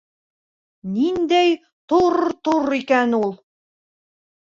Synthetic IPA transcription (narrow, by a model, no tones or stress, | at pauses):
nind̪æj | t̪oɾt̪uɾikænulˠ